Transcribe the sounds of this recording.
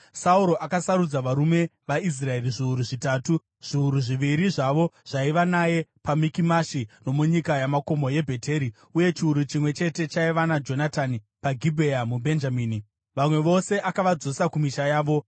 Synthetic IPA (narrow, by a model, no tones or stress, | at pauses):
sauɾo̞ʔakasaɾud͡zaʋaɾume̞ʋais̬rae̞riʐiuɾuʐitaːtu | ʐ̥iuɾuʐiʋiɾiʐaʋo̞ʐ̥aiʋanaje̞pamikimaʃino̞muɲikajamako̞mo̞je̞bʱe̞tʰe̞ːɾi | uje̞t͡ʃiuɾut͡ʃimwe̞t͡ʃe̞te̞t͡ʃaiʋanad͡ʒo̞natani | paɡʱibʱeamubʱe̞nd͡ʒamiːni | ʋamwe̞ʋo̞se̞ʔakaʋad͡zo̞sakumiʃajaːʋo̞